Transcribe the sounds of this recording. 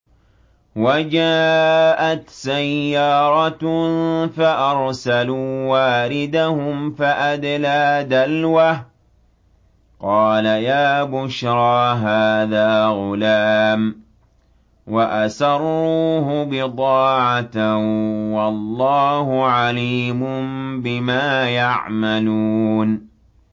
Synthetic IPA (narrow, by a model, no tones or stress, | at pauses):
wad͡ʒaːʔat̪sajːɑːɾˤɑt̪ | faʔɑɾˤsaluːwaːɾɪd̪ahʊmfaʔad̪laːd̪alwa | qɑːlajaːbʊʃɾˤɑːɦaːðaːɣʊlaːm | waʔasɑrˤːuːɦʊbɪt̪ˤɑːʕat̪ | wɑlˤːɑːhʊʕaliːmʊbɪmaːjaʕmaluːn